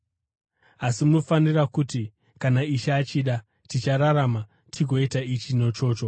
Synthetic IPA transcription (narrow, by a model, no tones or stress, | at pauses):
asimuno̞fanirakuti | kanaiʃaːt͡ʃiɗa | tit͡ʃaɾaɾama | tʰiɡʱo̞itait͡ʃino̞t͡ʃo̞ːt͡ʃo̞